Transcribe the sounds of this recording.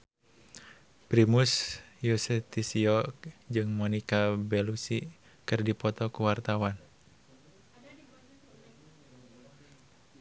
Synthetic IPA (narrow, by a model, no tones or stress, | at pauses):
pɾimusjusɛt̪isiɔkd͡ʒɨŋmɔnikabɛlusi | kɨrdipɔt̪ɔkuwart̪awan